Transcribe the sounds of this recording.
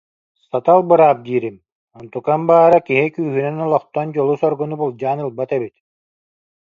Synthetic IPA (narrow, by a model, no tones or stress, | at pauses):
sat̪alˠbɯɾaːp̚d̪iːɾim | ɔnt̪ukambaːɾakiɦikyːɦynɛnɔlˠɔχt̪ɔnd͡ʑɔlˠusɔɾɡɔnubulˠd͡ʑaːnɯlˠbat̪ɛbit̪